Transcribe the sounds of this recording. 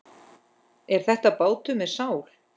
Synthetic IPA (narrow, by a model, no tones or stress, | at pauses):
ɛɾ̥θɛht̪apoːwt̪ʏmɛðsaːwl̥